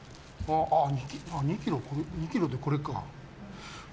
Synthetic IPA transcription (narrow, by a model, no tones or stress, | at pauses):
aʔaɲikʲiaɲikʲiɾokoɾeɲikʲiɾod̪eko̞ɾeka